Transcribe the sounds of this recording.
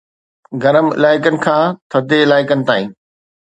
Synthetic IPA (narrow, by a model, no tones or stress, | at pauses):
ɡɐɾəmɪ̰laːɪkənɪ̆kʰãːt̪ʰɐd̪eɪlaːɪkənɪ̆t̪aːĩː